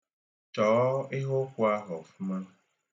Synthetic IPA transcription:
t͡ʃɔː˨˦e˦ɦo˦kʷu˦a˦ɣɔ˨fu˦mã˦

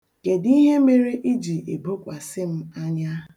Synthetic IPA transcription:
ke˨di˦ɦe˦me˦ɾe˦ʔi˦d͡ʒi˨e˨bo˦kʷa˨sɪ˦m̩˦a˦ɲa˦˨

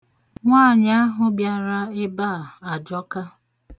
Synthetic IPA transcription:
ŋʷaː˦˨ɲa˦a˦ɦʊ˨bja˨ɾa˦ɪ˦ba˦˨a˨d͡ʒɔ˦ka˦

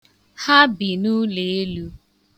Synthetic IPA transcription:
ha˦bi˨nu˦le˨e˦lu˦

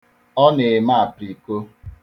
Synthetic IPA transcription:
ɔ˦ne˨ma˦a˨pɾi˨ko˦

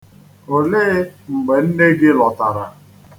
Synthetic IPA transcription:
o˨leː˦ŋ͡m̩˨ɡ͡be˨n̩˦ne˦ɡɪ˦lɔ˨ta˨ɾa˨

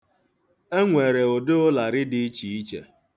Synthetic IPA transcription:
e˦ŋʷe˨ɾe˨o˨dʊ˦ʊ˦la˨ɾɪ˦dɪ˦i˦t͡ʃi˨i˦t͡ʃḛ˨

